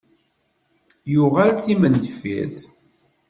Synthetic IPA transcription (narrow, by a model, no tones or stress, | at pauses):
juʁælθimənd̪əfḭθ